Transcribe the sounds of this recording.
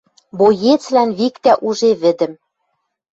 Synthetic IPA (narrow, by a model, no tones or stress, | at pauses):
bojet͡slænβikt̪æʔuʒeβɘ̆d̪ɘ̆m